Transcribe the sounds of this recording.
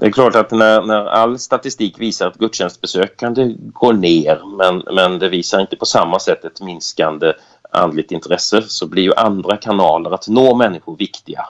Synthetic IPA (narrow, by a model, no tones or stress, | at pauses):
d̪ɛæɾklɑːʈat̪nænæɾa̰lːst̪at̪ɪst̪iːkviːsaɾat̪̚ɡɵd̪ɕɛnst̪bɛsøːkand̪əɡoːɳeːɾmɛnmɛnd̪ɛviːsaɾɪnt̪ə̥pʰɔsamːasɛt̪ːɛt̪mɪnskand̪ə | a̰nd̪lɪɡ̚t̪ɪnt̪ʰɾɛsəsɔblɪɾjɵʔand̪ɾakʰanɑːləɾat̪noːmɛnːɪɧʊɾvɪkt̪ɪɡa̰